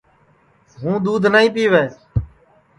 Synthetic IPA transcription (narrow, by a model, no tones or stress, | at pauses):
ɦũːd̪uːd̪ʱnaːĩːpiːʋeːs